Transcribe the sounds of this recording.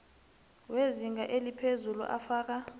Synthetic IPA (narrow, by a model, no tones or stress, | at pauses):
weziŋɡaʔelipʰezulṵʔa̰faːk̬a